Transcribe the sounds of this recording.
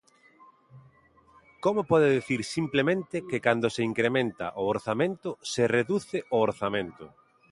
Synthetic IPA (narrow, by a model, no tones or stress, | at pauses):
komopɔðeðeθiɾsimplemẽnt̪ɪkɪkand̪ʊseiŋkɾemẽnt̪ɐ̰ʔooɾθamẽnt̪ʊsereðuθɪʔʊoɾθamẽnt̪ʊ̰